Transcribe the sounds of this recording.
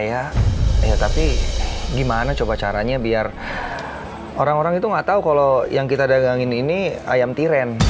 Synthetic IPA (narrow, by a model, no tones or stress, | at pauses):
jajat̪apiɡimanat͡ʃobat͡ʃaɾaɲabiar | oɾaŋoɾaŋit̪uŋaʔt̪aukalojaŋkit̪adaɡaŋɪninia̰jamt̪iɾɛn